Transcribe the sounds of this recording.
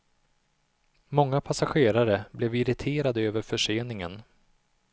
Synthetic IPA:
mɔŋːapʰasaɧeːɾaɾəblɛvɪɾɪt̪ʰeːɾad̪əøːvəɾfœʂeːnɪŋən

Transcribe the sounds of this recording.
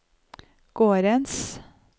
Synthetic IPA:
ɡ̥oːɾəns

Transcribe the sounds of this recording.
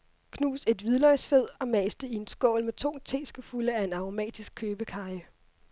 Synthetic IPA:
kʰnṵːse̝d̥ʋið̞ˠlɒɪsfeð̰ˠɒ̽mɛːsd̥əie̝nsɡ̥ɔ̰ːʊlmet͡sʰɔ̝̰ːŋt͡sʰe̝̰ːsɡ̥əfuləæe̝nɑ̈o̝mɛ̰ːd̥isɡ̥̚kʰøːb̥əkʰɑ̈ɪə

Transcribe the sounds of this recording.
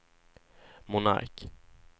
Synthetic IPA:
mʊna̰ɾk

